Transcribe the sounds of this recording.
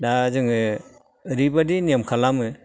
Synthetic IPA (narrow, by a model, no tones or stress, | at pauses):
dazɯŋɯ | ɾibadiniamkʰalamɯ